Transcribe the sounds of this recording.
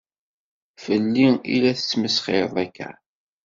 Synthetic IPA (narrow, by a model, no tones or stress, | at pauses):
fəlːiḭlæθə̥t͡sːməsχɪɾðˤækːæ̰